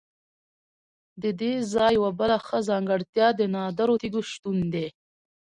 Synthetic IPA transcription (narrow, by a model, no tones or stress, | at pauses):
d̪əd̪ezɑjwabəlaxəzɑŋɡəɽt̪jɑd̪ənɑd̪aɾot̪iɡuʃt̪und̪e